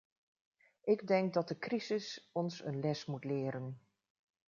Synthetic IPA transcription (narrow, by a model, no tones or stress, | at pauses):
ʔɪɡdɛŋk̚dɑt̚dəkrizɪsɔnsənlɛsmutlɪːəɾən